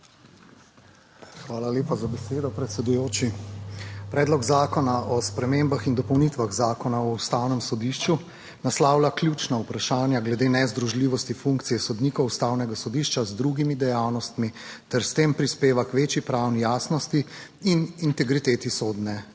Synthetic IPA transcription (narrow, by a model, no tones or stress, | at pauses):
xʋaːlaleːpazabɛseːd̪ɔpɾɛt̪sɛd̪ujoːt͡ʃi | pɾɛːd̪lɔɡzaːkɔnaʔɔspɾɛmeːmbaxind̪ɔpɔwnit̪ʋaɣzaːkɔnaɔust̪aːwnɛmsɔd̪iʃt͡ʃu | naslaːwlaklʲjut͡ʃnaupɾaʃaːnjaɡlɛd̪eːnɛzd̪ɾuʒliːʋɔst̪ifuŋkt̪sijɛsɔd̪niːkɔwust̪awnɛɡasɔd̪iʃt͡ʃazd̪ɾuɡimid̪ɛjaːwnɔst̪mit̪ɛɾst̪eːmpɾispeːʋakʋeːt͡ʃjipɾaːwnijaːsnɔst̪iinint̪ɛɡɾit̪eːt̪isoːd̪nɛ